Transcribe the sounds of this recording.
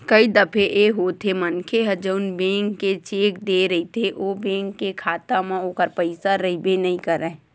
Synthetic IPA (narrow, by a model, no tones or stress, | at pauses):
kəid̪əpʰeʔeɦoːt̪ʰemənkʰeɦɛd͡ʒəʊnbẽːŋɡket͡ʃeːkd̪eɾəɦit̪ʰeʔoːbẽːŋɡkekʰaːt̪amẽoːkəɾpəɪsaɾəɦibenɐɦĩkəɾːəɛ̃